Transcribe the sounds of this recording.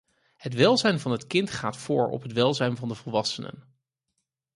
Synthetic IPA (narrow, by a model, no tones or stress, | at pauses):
hətʋɛlˠzɛjnvɑnɦətkɪntχa̰ːtfʊːɹɔ̰pɦətʋɛlˠzɛjnvɑndəvəlˠʋɑsənə̰n